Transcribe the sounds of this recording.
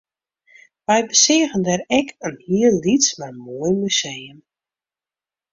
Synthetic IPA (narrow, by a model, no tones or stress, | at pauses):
ʋɛjbəsɪəɣəndɛɾɛkʰənhiəlːismarmoəjmysejəm